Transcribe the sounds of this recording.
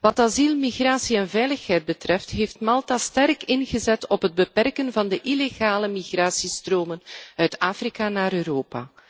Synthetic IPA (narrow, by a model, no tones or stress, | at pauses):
ʋɑtɑzilˠmiɣraːsiɛnvɛjləxɦɛjd̚bətrɛftɦeːftmɑlˠtastɛrkɪnɣəzɛtɔpɦəd̚bəpɛrkənvɑndəʔileɣaːləmiɣraːsistroːmənœɥtaːfrikanaːɾøːɾoːpa̰ː